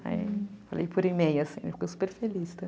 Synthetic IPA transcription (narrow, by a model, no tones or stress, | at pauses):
a̰ḭfalḛjpoɾimejʊɐsḭ̃lofikojsu̥peɾfelist̪ɐ